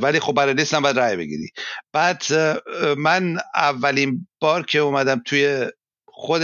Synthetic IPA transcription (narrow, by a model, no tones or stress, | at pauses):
vælixo̞b̚bæɾɒlist̪æmbæːd̪ɾæːjbḛɡḭɾḭb̥æːd̪̥ | mænævːælinb̥ɒːɾcʰeumæd̪æmt̪ʰuje | xod̪